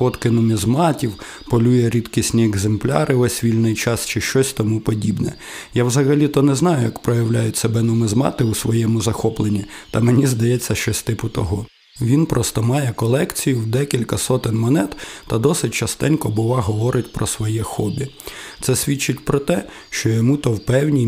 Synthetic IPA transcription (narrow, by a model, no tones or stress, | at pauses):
xɔt̪kɪnʊmʲizmɑtʲiw | pɔlʲujɛɾʲid̪kʲisʲnʲiɛɡzemplʲɑ̰ɾʔɪʋɛsʲʋʲilʲnɪjt͡ʃɑst͡ʃɪʃt͡ʃɔsʲt̪ɔmupɔdʲibnɛ | jawzɐɣɐlʲit̪ɔnɛznɑjʊjɐkpɾɔjɐwlʲajʊtʲsebɛnʊmɪzmɑ̰t̪ɪusʋɔjɛmʊzɐxɔplˠenʲːit̪ɐmenʲizd̪ɐjɛt͡sʲːɐʃt͡ʃɔsʲt̪ɪpʊt̪ɔɦɔ | ʋʲinpɾɔst̪ɔmɑjɛkɔlˠɛkt͡sʲijʊwd̪ɛkʲilʲkɐsɔt̪ɪnʲmɔnɛt̪t̪ɐd̪ɔsɪtʲt͡ʃɐst̪ɛnkɔbʊʋˠɑɦɔʋɔɾʔɪtʲpɾɔsʋɔjɛxɔd̪ɪt̪sɛsʲʋʲit͡ʃːɪtʲpɾɔt̪ɛ | ʃt͡ʃɔjɔmut̪ɔwpɛwnʲi